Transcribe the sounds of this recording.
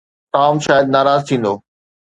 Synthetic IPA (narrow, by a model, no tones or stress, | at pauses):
ʈaːmʃaːjəd̪̚naːɾaːzt̪ʰĩːn̆d̪oː